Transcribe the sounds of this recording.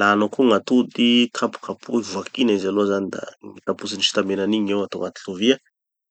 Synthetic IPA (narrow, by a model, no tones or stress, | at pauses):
lanakuŋat̪ud̪ikʰapu̥kapṵivuakinaizaloazand̪a̰ikapusiniʃi̥t̪ambenaniɲewat̪oŋat̪i̥ɬuvia